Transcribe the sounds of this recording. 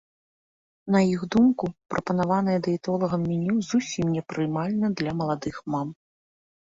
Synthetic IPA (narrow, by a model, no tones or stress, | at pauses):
nɐjiɣd̪umkupɾɐpɐnavanɐjɛd̪ɐit̪ɔlˠɐɣɐmːʲinʲiwzusʲimnʲɛpɾɨmalʲnɐd̪lʲɐmɐlˠad̪ɨxmam